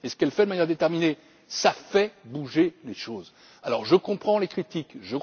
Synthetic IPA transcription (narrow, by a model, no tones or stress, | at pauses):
esə̥kɛlfɛd̪əmanjɛʁd̪et̪ɛʁmine | safɛbuʒeleʃoz | alɔʁʒəkɔ̃pχɑ̃lekχit̪ikʒə